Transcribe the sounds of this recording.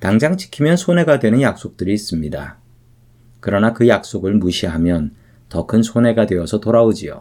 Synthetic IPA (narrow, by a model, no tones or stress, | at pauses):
taŋd͡ʑaŋt͡ɕʰi̥kʰimjʌnsʰone̞ɡadwe̞nɯnjak̚s͈ok̚t͈ɯɾiːs͈ɯmɲida̰ | kɯɾʌnakɯjak̚s͈oɡɯɭmuɕʰiɦamjʌn | tʌkʰɯnsʰone̞ɡadwe̞ʌsʰʌtoɾaod͡ʑio̰